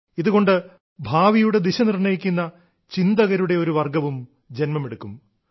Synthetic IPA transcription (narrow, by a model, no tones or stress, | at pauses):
iðuɣo̞ɳɖɨ | bʱaːʋijuɽe̞d̪iɕɐnirɳɐjikʲːunːɐ | t͡ɕind̪ɐɣɐɾuɽe̞o̞ɾuʋɐrɡɐʋum | d͡ʑenmɐmeɽukːum